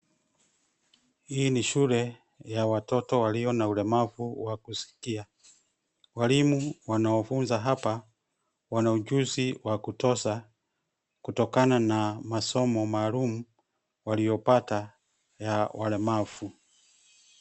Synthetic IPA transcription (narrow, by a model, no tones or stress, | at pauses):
hiːniʃulɛ | jawatɔtɔwaliɔnaulɛmavuwakusi̥kia | walimuwanaɔfunzaɦapa | wanaud͡ʒuziwakutɔsa | kutɔkananamasɔmɔmaːlumu | walijɔpata | jawʔalɛmav̥u